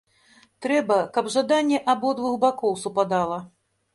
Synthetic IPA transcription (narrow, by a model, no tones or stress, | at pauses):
t̪ɾɛbɐkɐbʐad̪anʲːɛʔabɔd̪vuxbakɔwsupad̪alˠɐ